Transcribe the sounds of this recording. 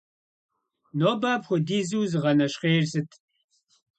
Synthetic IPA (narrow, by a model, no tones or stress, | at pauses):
noːbaːbxʷɔdiːzuwzɨʁɐnɐʃqeːrsɨtʰʼ